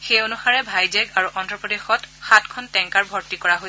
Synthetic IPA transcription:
xejonuxaɹɛbʱajzɛɡaɹuʔɔndɹɔpɔdexɔtxatkʰɔntɛŋkaɹbʱɔɹtikɔɹaɦo

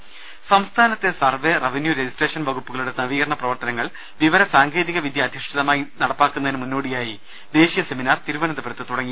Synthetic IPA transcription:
sɐmst̪ʰaːnɐt̪ːe̞sɐrʋerɐʋɐnjuɾed͡ʑisʈreːʂɐnbɐɣupːuɣɐɭuɽenɐʋiːɐrɐɳɐprɐʋɐrt̪ɐnɐŋːɐɭ | ʋiʋɐɾɐsaːŋɡʰe̞ːðiɣɐʋid̪ʱjɐːd̪ʱiʂʈiðɐmaːjinɐɽɐpːaːkːunːɐðinːɨmunːo̞ːɽijaːji | d̪e̞ːɕijɐseminaːrt̪iɾuʋɐnɐd̪ɐbɐɾɐt̪ːɨt̪uɽɐŋːi

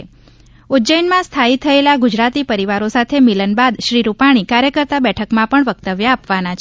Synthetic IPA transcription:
ud͡ʒəjnmãst̪ʰait̪ʰːəelaɡud͡ʒɾat̪ipəɾiʋaɾosat̪ʰemilənbad̪ʃɾiɾupaɽ̃ikaɾjəkəɾt̪abɛʈʰəkmãpəɳʋəkt̪əʋjaːpʋanat͡ʃʰ

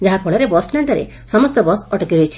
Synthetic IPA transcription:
d͡ʒaɦapʰɔɭaɾebɔsʈnaɳʈaɾḛ | sɔmɔst̪ɔbɔsɔʈɔkiɾojt͡ʃʰi̥

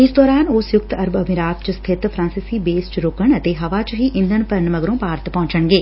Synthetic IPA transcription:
ɪsd̪ɔːɾaːnoːsjʊkt̪əɾbəmɪɾaːt̪t͡ʃst̪ʰɪt̪pʰɾãːsɪsiːbeːst͡ʃɾoːkəɳət̪eːɦəʋaːt͡ʃɦiːʔɪ̃nd̪ənpəɾnməɡɾõːpaːɾt̪pɔ̃ːɲt͡ʃəɳɡeː

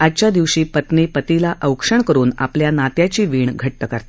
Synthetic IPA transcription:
at͡ɕjad̪iʋɕiːpət̪nipət̪ilaʔəwkʂəɳkəɾuːna̰pljanat̪jat͡ɕiːʋiːɳɡʱəʈːəkəɾt̪

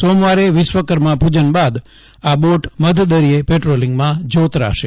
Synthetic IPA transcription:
somʋaɾeʋɪsʋəkəɾmãpud͡ʒənbad̪ | aboʈməd̪ʱd̪əɾiepeʈɾoliŋɡmãd͡ʒot̪ɾa̰ʃe

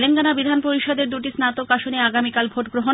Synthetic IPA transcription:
lenkanabid̪ʱanpoɾiʃɔd̪eɾd̪uʈisnat̪okaʃoneaɡamikalbʱoʈɡɾoɦo

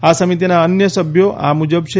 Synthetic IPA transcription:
asəmit̪inaənjəsəbʱjoʔa̰mud͡ʒəbt͡ʃʰe

